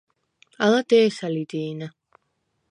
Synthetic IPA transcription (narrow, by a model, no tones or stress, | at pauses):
alad̪ɛːsalid̪iːna